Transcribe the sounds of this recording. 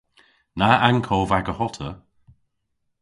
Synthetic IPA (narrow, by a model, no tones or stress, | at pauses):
naankʰɔːvaɡəhɔtʰə